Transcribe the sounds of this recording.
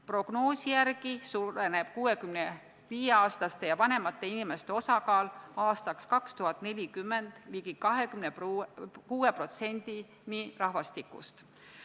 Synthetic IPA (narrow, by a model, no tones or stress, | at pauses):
pro̞ɡ̥no̞ːsijærɡisuɾeneb̥̚kuːe̞kymne | viːjeɑːst̪ɑst̪e̞jɑvɑne̞mɑt̪ːˑe̞inime̞st̪e̞o̞sɑkɑːlɑːst̪ɑkskɑkst̪uɦɑt̪ːˑne̞lʲikymːend̪̥liɡikɑɦekymnepkuːe̞pro̞t̪se̞nʲd̪̥i | nirɑɦvɑst̪ikːˑṵst̪